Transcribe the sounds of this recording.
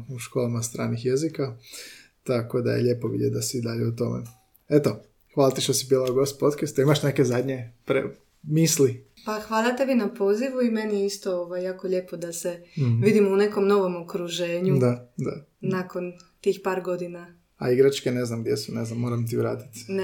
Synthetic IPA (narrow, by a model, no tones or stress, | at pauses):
uʃkolˠamast̪ɾa̰ːnixjezika | t̪ako̞d̪a̰jḛʎe̞poʋḭd̪jḛd̪asiːd̪aʎeut̪o̞mḛ | et̪o̞ | xʋaːlˠat̪iʃt̪osibilˠauɡost̪̚po̞t̪kast̪aimaʃnekezad̪ʲɲepɾḛ | misli | paxʋaːlˠat̪eʋinapo̞ːziʋuime̞nijeist̪o̞oʋajːaːkoʎe̞ːpo̞d̪aseʋid̪imune̞ko̞mno̞ʋo̞mokɾuʒeːɲud̪ad̪a | nako̞nt̪iːxpaːɾɡo̞d̪ina | a̰iɡɾat͡ʃkene̞znamɡ̚d̪jesuneznamːoːɾamt̪iʋɾa̰ːt̪i̥t̪ne